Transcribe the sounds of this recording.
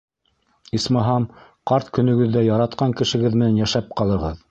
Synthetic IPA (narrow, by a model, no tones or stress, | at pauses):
ismɑɦɑmqɑɾt̪kɵ̆nɵ̆ɡɵ̆ðːæjɑɾɑt̪̚qɑŋkɘ̆ʃɘ̆ɡɘðmɘ̆nænjæʃæp̚qɑlˠɤ̆ʁɤð